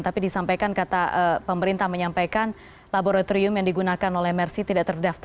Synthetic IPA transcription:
t̪apidisampajkankat̪aʔəpəməɾint̪ahməɲampajkan | laboɾat̪oɾiʊmjaŋdiɡunakanolɛhmɛrsit̪idaʔt̪ərdaft̪

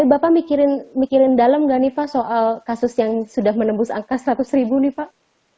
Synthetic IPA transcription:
bapamikiɾɪnmikiɾɪndalamɡaʔnɪpaʔsoʔalkasʊsjaŋsudahmənəmbʊsa̰ŋkasəɾat̪ʊsɾibunɪpaʔ

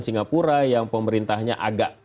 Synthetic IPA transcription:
nsiŋapuɾajaŋpəməɾint̪ahɲaʔaɡaʔ

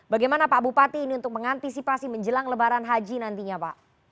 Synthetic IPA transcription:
baɡajmanapabupat̪iːniunt̪ʊk̚məŋant̪isipasiməɲd͡ʒəlaŋləbaɾanɦad͡ʒinant̪iɲapa̰ʔ

